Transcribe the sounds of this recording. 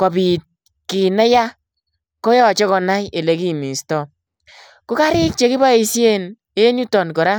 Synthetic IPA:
kɔ˨bi˨t̚ | ki˨nɛ˦ja˦ | kɔ˦jɔ˦˨t͡ʃɔ˦kɔ˧na˦je˨le˨ki˦˨mi˨stɔ˨ | kʊ˦ka˦ɾɪ˦k̚t͡ʃe˨˦ki˦ba˦i˧sje˦n | e˦ɲu˦tɔ˨nkɔ˨ɾa˦

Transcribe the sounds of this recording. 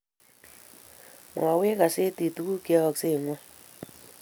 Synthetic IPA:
mwa˨we˦ka˨se˦ti˨tu˨ku˦kɔ˨kse˦˨ŋɔ˦

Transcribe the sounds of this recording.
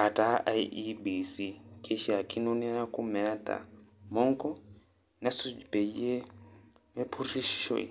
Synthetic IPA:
a˨ta˦a˦ii˦bi˨si˦kʰe˦ʃi˦˨a˨ki˦no˦ni˦ɾa˦ku˦mɛ˨˦t̪a̰˨mɔ˦ŋkɔ˦ | na˦su˦d͡ʒi˨pe˨i˦e˦ | me˦pʰu˦ri˦ʃi̥˦ʃo̰˨ḭ˨

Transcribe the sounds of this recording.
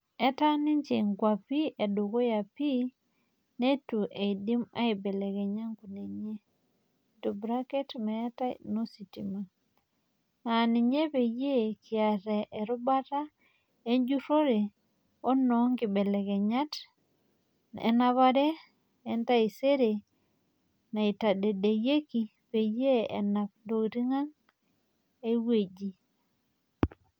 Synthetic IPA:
ɛ˦ta˦ni˦ɲt͡ʃe˨ŋɡwa˨pi˦ʔe˨do˨ɡo˦ja˨pi˦ | ne˦tu˨ʔe˨i˨di˦ma̰˦i˨bɛ˨lɛ˨ɡɛ˨ɲa˦ŋku˨ne˨ɲe˦ | to˨bɾa˦kɛ˦tmɛ˨˦ta̰˦no˦si˨ti˨ma˨ | na˨ni˨ɲe˦pe˨je˦ki˨a˨ɾɛ˨ʔe˨ɾu˦ba˦ta˦ | e˦ɲd͡ʒu˦ɾo˦ɾe˨ | o˦nːɔ˨˦ŋɡi˨be˨le˨ke˨ɲa˦t | nḛ˨na˦βa˦ɾe˦ | e˨nta˦i˨se˦ɾe˨ | na˨i˨ta˨de˨de˨je˦ki˨ | pe˨je˦ḛ˨na˨pndo˨ɾi˦ŋa˦ŋ | e˦we˦d͡ʒi˦

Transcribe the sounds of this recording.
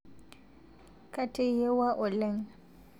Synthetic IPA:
kʼa˦tʼe˦je˦wa˦ʔʊ˨lɛ˦ŋ

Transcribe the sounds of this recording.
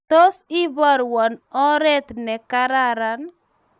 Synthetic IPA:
t̪o˦si˦bɔ˦ɾwɔ˨nɔ˦ɾɛ˦t̪nɛ˨ka˦ɾa˦ɾa˨˦n

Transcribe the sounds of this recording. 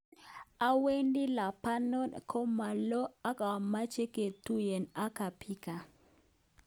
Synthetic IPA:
a˦we˦ndi˦la˨pa˦nɔ˦nkʰɔ˦ma˨lɔ˦a˦ka˨ma˦t͡ʃe˦ke˨tu˦je˨na˦ka˨pʰi˦ka˨

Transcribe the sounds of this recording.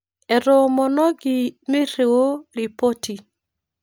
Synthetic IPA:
ɛ˨ɾo˨˦mɔ˨nɔ˦ɡɪ˨mɪ˦ɾe˨wo˦ɾi˨po˦ti˨

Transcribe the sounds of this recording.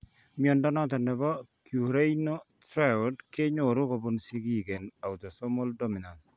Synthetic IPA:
miɔ˨ndɔ˦nɔ˦t̪ɔ˨nɛ˨bɔ˦kju˨ɾe˦no˦t̪ɾa˦ɔ˨dke˦ɲo˨ɾʊ˦ko˨bo˦nsi˦ɡi˦˨ɡe˨na˨ʊ˨t̪o˨sɔ˦mo˦ldo˦mi˨na˨n

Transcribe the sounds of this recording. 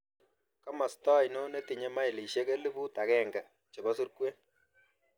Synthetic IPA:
ka˦ma˨stɔ˦jno˦ne˦ti˨ɲe˦ma˦i˨li˨ʃe˦ke˦li˦bu˦ta˨kɛ˦ŋɡa˨ | t͡ʃe˨bɔ˦s̬u˦ɾkwe˦

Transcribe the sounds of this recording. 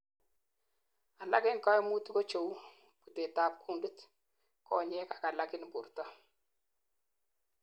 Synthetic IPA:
a˨la̰˦kɪ˦ŋka˦mu˦tu˦ko˦t͡ʃo˨w | pu˨te˨ta˨p̚kʰu˦˨ndu˦t | kɔ̰˨ɲɛ˦ka˨ka˨la˦kɪ˦nbu˨rtɔ˦

